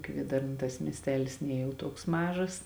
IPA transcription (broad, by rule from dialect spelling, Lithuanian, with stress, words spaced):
ˈkʋʲiɛdɐrnɐ tɐs mʲiɛsʲˈtʲæːlʲɪs ˈnʲiɛ jɛʊ ˈtuɔks ˈmɑːʒɐs